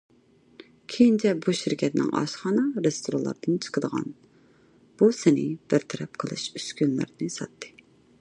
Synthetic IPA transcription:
kʲʰejint͡ʃʰɛbuʃiɾkʲʰɛt̪nɪ̰ŋʔɑ̰ʃχɑːnɑɾest̪ʰoɾɑlˠɑ̰ɾd̪ɨnt͡ʃʰə̥qəd̪əʁɑ̰n | b̥usɪnɪb̥ɪɾt̪ʰɛɾɛp̚qʰəlˠɨ̰ʃyskʲynlɪ̰ɾnɨsɑt̪ʰːɨ̥

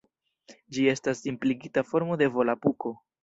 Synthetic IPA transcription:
d͡ʒie̞stasːimpliɡitafo̞ɾmo̞de̞vo̞lapuko̞

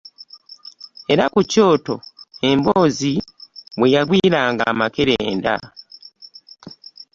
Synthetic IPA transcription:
e̞ɾakuco̞ːto̞e̞mboːziwe̞jaɡwiːɾaːŋɡa̰ːmakeɾeːnda̰

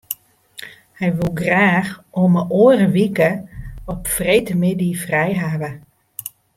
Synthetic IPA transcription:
hɛjʋulˠɡraːxoməʔoərəʋikəɔpfrejtəmɪdifrɛjɦaːʋə

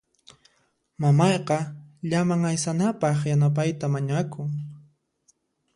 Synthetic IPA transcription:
mamɑjqɑʎamaŋajsanapɑχjanap̬ajt̪amaɲakʊŋ

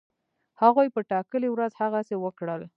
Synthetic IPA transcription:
haɣujpəʈɑkəliwɾazhaɣasewəkɽəl

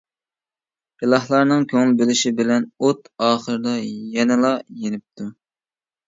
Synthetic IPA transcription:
ilˠɑhlˠɑɾnɨŋkʲʰøŋlbelɪʃibɪlɛnot̪ɑːχəɾɨd̪ɑjɛnɪlˠɑjenɪp̚t̪ʰu

